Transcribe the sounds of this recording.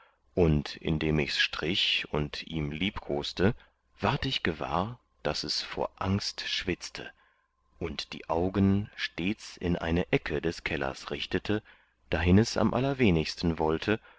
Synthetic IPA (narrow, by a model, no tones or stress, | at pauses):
ʔʊntʔɪ̰ndeːmɪçsʃtʁ̥ɪçʊntʔiːmliːpkʰoːstə | v̥aɐtɪçɡ̥əva̰ːɐ | d̥asɛsfo̰ːɐʔaŋstʃv̥ɪt͡stʰə̰ | ʔʊntd̥ḭːʔaʊɡənʃteːt͡sɪnʔa̰ɪnəʔɛkʰədɛskʰɛlɐ̰sʁɪçtətʰə | d̥aɦɪnɛsa̰mʔalɐveːnɪçstn̩vɔltʰə